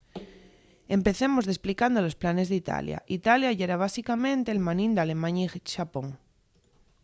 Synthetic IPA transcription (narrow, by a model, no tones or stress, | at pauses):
e̞mpe̞θemozðe̞splikand̪olo̞splane̞zðit̪a̰lja̰ʔit̪aljaʝeɾaβ̞asikamẽ̞nt̪eːlmanĩnd̪ale̞mãɲaiʃapoŋ